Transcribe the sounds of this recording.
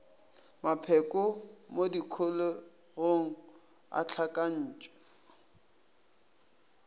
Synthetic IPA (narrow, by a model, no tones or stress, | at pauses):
mapʰɛkʼʊmodikʰʊlo | ɣoŋ̩ | a̰t͡ɬʰakʼan̩ːt͡ʃʼɔ̥